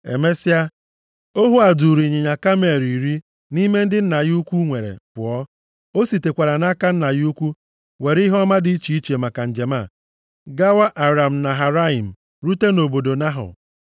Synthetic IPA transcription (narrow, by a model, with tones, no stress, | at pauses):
ḛ˨me˦si˦a˦ | o˦ɦu˦a˨du˨ɾi˨ɲe˨ɲa˨ka˦me˨ɾi˨ɾi˦ | ni˦me˦n̩˦dɪ˦n̩˦na˨ɣu˦kʷu˦ŋʷe˨ɾḛ˨pʊ̰˨ɔ˦ | o˦si˨te˨kʷa˨ɾa˨na˦ka˦n̩˦na˨ɣu˦kʷu˦ | we˨ɾi˦ɦɔ˦ma˦di˦i˦t͡ʃi˨i˦t͡ʃe˨ma˨ka˨n̩˨d͡ʒe˨ma˦˨ | ɡa˦wa˦ʔa˨ɾa˨m̩˨na˨ɦa˨ɾa˦i˨m̩˨ | ɾu˦te˦no˨bo˨do˨na˦ɦʊ̰˨